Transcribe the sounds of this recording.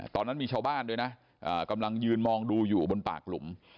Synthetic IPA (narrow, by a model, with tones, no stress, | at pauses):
t̪ɔː˧nːa˦˥nmiː˧t͡ɕʰaː˧wbaː˥˩ndu˧jna˦˥ | ʔa̰ː˨˩ka˧mla˧ŋjɯː˧nmɔː˧ŋduː˧juː˨˩bo˧npa̰ː˨˩k̚lu˨˩˦m